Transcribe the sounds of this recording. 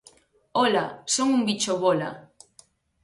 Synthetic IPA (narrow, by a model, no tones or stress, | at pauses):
ola̰soŋʊmbit͡ʃoβola̰